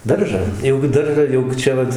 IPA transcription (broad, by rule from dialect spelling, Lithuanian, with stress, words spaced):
ˈdɐrʒɑː jɛʊ ɡʲɪ ˈdɐrʒɑː jɛʊ ˈt͡ʃʲɛ ʋɐt